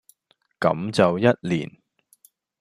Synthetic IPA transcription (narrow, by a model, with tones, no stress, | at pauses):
kɐ̰˨˥mt͡sɐ˨wjɐ˥t̚liː˨˩n